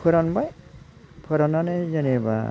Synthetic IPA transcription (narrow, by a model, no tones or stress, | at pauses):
pʰɯɾanbaj | pʰɯɾananazeneba̰